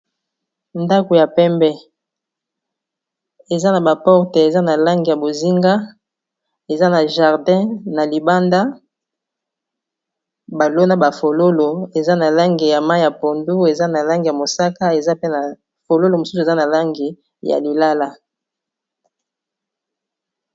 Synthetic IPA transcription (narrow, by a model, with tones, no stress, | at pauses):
nda˦ko˨ja˨pɛ˦mbɛ˦ | e˨za˦na˨ba˨pɔ˦ʁte˨e˨za˦na˨la˦ŋɡi˨ja˨bo˨zi˦ŋɡa˦ | e˨za˦na˨ʒa˨ʁdɛ̃˦na˨li˨ba˦nda˦ | ba˨lo˦na˦ba˨fo˨lo˦lo˨e˨za˦na˨la˦ŋɡi˨ja˨ma˦ja˨po˨ndu˦e˨za˦na˨la˦ŋɡi˨ja˨mo˨sa˦ka˦e˨za˦pe˦na˨ | fo˨lo˦lo˨mo˨su˦su˨e˨za˦na˨la˦ŋɡi˨ | ja̰˨li˨la˦la˦